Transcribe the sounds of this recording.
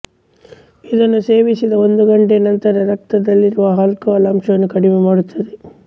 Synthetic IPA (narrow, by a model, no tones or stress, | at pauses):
id̪ɐnːuse̞ːʋisid̪ɐond̪uɡɐɳʈenɐnt̪ɐɾɐɾɐk̚t̪ɐd̪ɐlːiɾuʋɐɦɐlkɐːlɐmʂɐʋɐnːukɐɽimemaːɽut̪ʰːɐd̪e